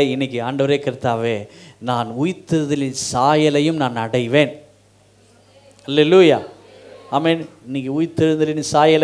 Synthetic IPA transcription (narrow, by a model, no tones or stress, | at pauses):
eɪnːɪk̬ʲːɯaːɳɖɐʋɐɾeːkɪɾt̪ːaːʋeːnaːnʊjt̪ːɯɾɯðɐlɪnsaːjɐlɐjɯmnaːnnɐɽɐɪʋeːn | hɐlːeluːjaː | aːmeːnɪnːɪkːɯʊjt̪ːɪɾɯnd̪ɐlɪnsaːjɐl